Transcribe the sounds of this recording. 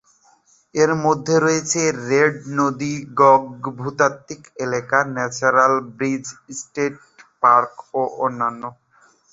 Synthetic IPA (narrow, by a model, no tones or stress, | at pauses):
eɾmod̪ʱːeɾoet͡ɕʰeɾeɖnod̪iɡɔɡbʱut̪at̪ːikelekanɛt͡ɕonalbɾid͡ʑsʈeʈ̚ | paɾkoʔonːanːo